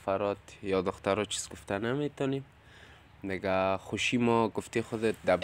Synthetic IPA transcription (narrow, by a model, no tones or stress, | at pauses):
faɾɔt̪jɔd̪ʊxt̪aɾɔt͡ʃʰi̥z̥ɡʊft̪anamet̪ɔnem | d̪ɪɡaxʊʃimɔɡʊft̪exʊd̪ɪt̪̚d̪ab